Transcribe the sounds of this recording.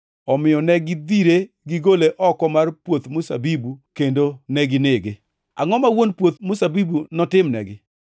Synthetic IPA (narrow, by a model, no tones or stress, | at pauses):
ɔmɪɔnɛɡɪd̪iɾe | ɡɪɡoleʔɔkɔmarpwot̪mʊsa̰bibukendonɛɡɪneɡɪ | a̰ŋɔmawonpwot̪mʊsabibunɔtɪmnɛ̰ɡɪ